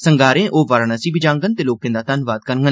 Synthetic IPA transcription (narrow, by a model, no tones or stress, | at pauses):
səŋɡaːɾẽːʔoːʋaːɾanãːsiːbɪd͡ʒãːŋɡənt̪eːloːkẽːd̪aːt̪ənːʋaːt̪̚kəɾŋɡən